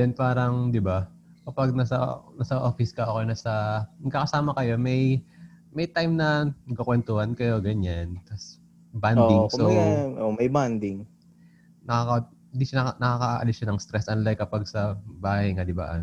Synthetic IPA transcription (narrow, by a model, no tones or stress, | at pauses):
ɛnpaːɾɐŋd̪ɪba | kɐpɐɡ̚nɐsɐ̰nɐsɐʔo̞fɪskɐʔoːkɐjnasɐnɐɡ̚kːakɐsaːmɐkɐjo̞mɐjmɛjt̪ajmnɐɐɡɐkwɛnt̪ʊhɐnkɐjo̞ɡɐɲant̪ɐs | band̪ɪŋsoomɐjband̪ɪŋ | nɐkakɐ | ɪnd̪iʃanɐnɐkaːkɐʔaʔɐ̰lɪsʃɐnɐŋst̪ɾɛsʔɐnlajkːɐpaɡ̚sɐbaːhɐjŋad̪ɪba̰ʔ